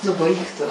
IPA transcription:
ˈnʊ ˈbɐɪk tʊ

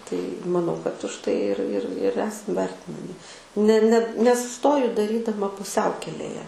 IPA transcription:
tɐɪ mɐˈnɐʊ kɐt ʊʃ ˈtɐɪ ɪr ɪr ɪr ˈæːsɐm ˈʋʲɛrʲtʲɪnɐmʲɪ nʲɛ nʲɛ nʲɛsʊˈstoːjʊ dɐˈrʲiːdɐmɐ pʊˈsʲɛʊkʲɛlʲeːjɛ

